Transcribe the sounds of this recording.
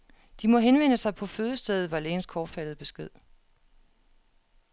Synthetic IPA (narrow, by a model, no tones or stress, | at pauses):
d̥imɒ̽ɦenʋen̰əsɑ̈ɪpʰɒ̽føːðˠəsd̥eð̩ˠʋɑ̈leːnskʰɒ̥ːfæd̥ðˠb̥e̝sɡ̥e̝ð̞̰ˠ